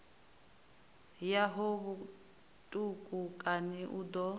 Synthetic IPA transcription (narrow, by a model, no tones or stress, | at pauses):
jaɦɔβu | tʼukʼukʼaniʔud̪ɔ